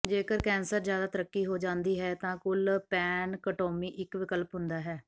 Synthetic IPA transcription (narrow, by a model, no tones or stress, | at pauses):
d͡ʒeːkəɾkɛːnsəɾzjaːd̪aːt̪əɾəkːiːɦoːd͡ʒãːnd̪iːɦɛːt̪ãːkʊlpɛːnkəʈoːmiːʔɪkʋɪkəlpɦʊnd̪aːɦɛː